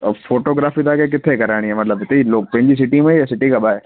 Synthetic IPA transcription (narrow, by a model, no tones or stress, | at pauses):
foːʈoːɡɾaːfid̪akek̬ɪt̪ʰekɐɾaːɽiɛmɐt̪ləbɦɪt̪eiloːk̚pɐ̃ɦɪ̃ɲd͡ʑis̬ɪʈimẽjasɪʈikʰaːɓaːɦeː